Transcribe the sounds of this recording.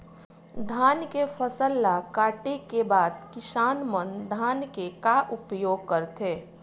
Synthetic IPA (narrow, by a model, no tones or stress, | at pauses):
d̪ʱaːnkefʰəsəlːakaːʈekebaːd̪̚kɪsaːnmənd̪ʱaːnkekaʔʊpjoːɡ̚kəɾt̪eː